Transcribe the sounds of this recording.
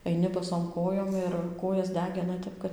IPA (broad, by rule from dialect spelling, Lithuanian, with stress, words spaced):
ɐɪˈnʲɪ bɐˈsoːm ˈkoːjoːm ɪr ˈkoːjɛs ˈdʲæːɡʲɪnɐ ˈtʲɛp kɐt